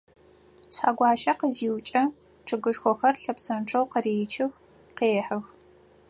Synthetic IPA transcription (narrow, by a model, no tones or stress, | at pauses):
ɕħa̰ːɡʷɑːʃɐqəziːwt͡ʃʼɐ | ʈ͡ʂʰɨɡɨʂxʷɔxɐrɬɐpsʰɐmʈ͡ʂʰɐwqəreːt͡ʃʰɪx | qeːħɨx